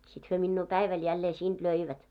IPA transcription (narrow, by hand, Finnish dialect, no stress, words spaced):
sit hyø minːuː pæiʋæl jælːeː siːnd̥ løiʋæt